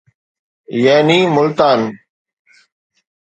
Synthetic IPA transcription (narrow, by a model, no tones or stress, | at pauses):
jaːniːmʊlt̪aːn